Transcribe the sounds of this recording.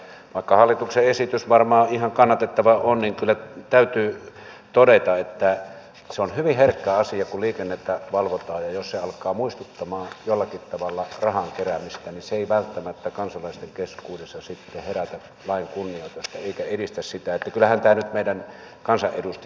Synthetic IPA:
ʋɑˑikːɑhɑlːit̪ukseʔesit̪ysʋɑrmɑːihɑŋkɑnːɑt̪et̪ːɑʋɑonniŋkylːæt̪æˑyt̪yː | t̪odet̪ɑet̪ːæ | seonhyʋiherkːæɑsiɑkulliːkenːet̪ːæʋɑlʋot̪ɑːjjɑjosseɑlkˑɑːmuist̪ut̪ːɑmɑːjolːɑkit̪t̪ɑʋɑlːɑrɑhɑŋkeræmist̪æninseeˑiʋælt̪ːæmæt̪ːækɑnsɑlɑˑist̪eŋkeskuːdesːɑsit̪ːeheræt̪æ | lɑˑiŋkunːioˑit̪ost̪ɑeˑikæedist̪æssit̪æet̪ːækylːˑæhænt̪æːnyt̪meˑidæn | kɑnsɑʔʔedust̪

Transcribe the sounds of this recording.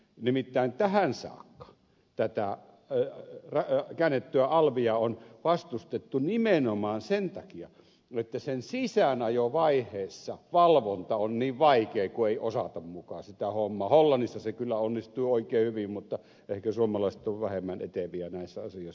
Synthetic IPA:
nimit̪ːæˑint̪æhænsɑ̰ːkːɑ̥ | t̪æt̪æ | rɑkæːnːet̪ːyæɑlʋijɑonʋɑst̪ust̪et̪ːunimenomɑːnsent̪ɑkiɑ | et̪ːæsensisænɑjoʋɑihˑeːsːɑʋɑlʋont̪ɑonniːʋʋɑikeːkueˑiʔosɑ̰t̪ɑmmukɑːsit̪æhomːɑːholːɑnːisːɑsekylːæonːist̪uioˑikˑeːhyʋimmut̪ːɑ | ehkæsuomɑlɑˑiset̪oʋʋæhemːænḛt̪eʋiænæˑisːæɑsijoˑis

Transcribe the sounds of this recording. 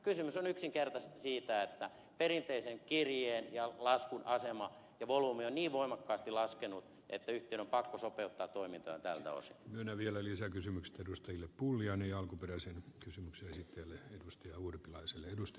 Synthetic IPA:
kysymysonyksiŋkert̪ɑset̪ɑ̥siːt̪æet̪ːæ | perint̪eiseŋkirjeːnjɑlɑskunʔɑsemɑ | jɑʋoluːmionniːʋʋoimɑkːɑːst̪ilɑskenut̪ | ḛt̪ːæyht̪ˑeˑinompɑkːosopeut̪ːɑːt̪t̪oimint̪ɑ̰ɑnt̪æ̰lt̪æ̰o̰si̥̰myønæʋielælisækysymykse̥t̪edust̪ɑjilːeppulːiɑnejɑɑlkuperæsenkysymykseesit̪ːeælːeedust̪ɑjɑurpilɑiselːeedust̪ɑ

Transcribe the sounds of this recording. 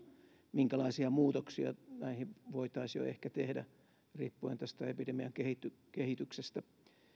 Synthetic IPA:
miŋkælɑisiɑmuːt̪oksiɑ̰næihiʋoit̪ɑisjo̰ḛhkæt̪ehdæ̰ | riːpːuent̪æst̪æepidemiæŋkehit̪ːykehit̪yksest̪æ

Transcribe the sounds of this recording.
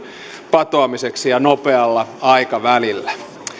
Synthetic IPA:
pɑt̪oɑmiseksijɑnopeɑlːɑɑikɑʋælilːæ

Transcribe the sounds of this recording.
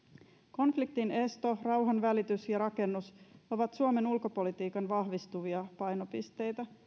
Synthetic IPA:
ko̞nflik̚t̪ine̞st̪o̞rɑwɦɑnʋælit̪ysjɑɾɑke̞nːuso̞ʋɑt̪suome̞nulko̞po̞lit̪iːkɑnʋɑɦʋist̪uʋiɑpɑjno̞pist̪e̞jt̪æ

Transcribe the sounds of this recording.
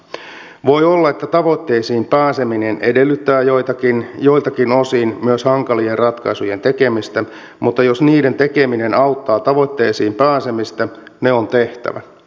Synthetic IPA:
ʋo̞jolːɑe̞t̪ːæt̪ɑʋo̞t̪ːe̞ːsiːmpæːse̞mine̞ne̞delːyt̪ːæːjoit̪ɑkinjo̞ilt̪ɑkino̞siːnmyøshɑŋkɑlierrɑt̪kɑisuje̞nt̪e̞kemist̪æ | mut̪ːɑjo̞sniːde̞nt̪ekemine̞nɑwt̪ːɑːt̪ɑʋo̞t̪ːe̞ːsiːmpæːsemist̪æne̞o̞nt̪e̞ht̪æ̰ʋæ̰

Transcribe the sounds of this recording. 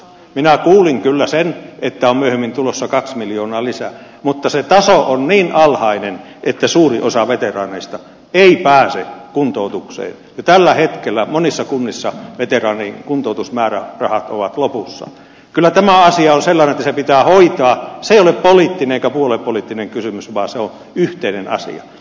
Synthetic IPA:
minækuːliŋkylːæsenʔet̪ːæommyøhemːint̪ulosːɑkɑksmiljoːnɑːlisæ̰ | mut̪ːɑset̪ɑsoʔonniːnʔɑlhɑinen | ʔet̪ːæsuːriʔosɑʋet̪erɑːneist̪ɑ | eipæːsekunt̪out̪uksḛːnjot̪ælːæhet̪kelːæmonisːɑkunːisːɑʋet̪erɑːniŋkunt̪oˑut̪usmæːræ̰rɑhɑt̪o̰ʋɑt̪lopusːɑ̰ | kylːˑæt̪æmæɑsiɑonselːɑnenet̪ːæsepit̪æːhoit̪ɑɑseijoleppoliˑt̪ːineneikæpuolepolit̪ːineŋkysymysʋɑːseon | yht̪einenɑ̰sḭɑ̰

